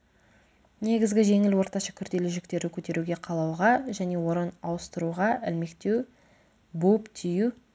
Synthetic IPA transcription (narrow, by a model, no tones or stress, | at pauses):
ne̞ɡʲɪzɡʲɪʒe̞ŋɪlwo̞ɾt̪ɑʃɑkʲʰʏɾd̪e̞lɪʒɪkt̪e̞ɾɪkʲʰɵt̪e̞ɾuɡʲe̞qʰɑlˠɑwʁɑʒæne̞wo̞ɾənɑwəst̪əɾuʁɑɪlme̞kt̪e̞w | bupt̪ʰiju